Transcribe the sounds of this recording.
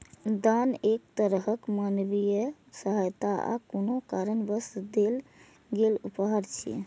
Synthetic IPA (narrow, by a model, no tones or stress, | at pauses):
d̪anekt̪əɾɦəkmanbijə | səɦəjt̪aa̰konokaɾənbəsd̪el | ɡelupɦəɾt͡ʃʰḭ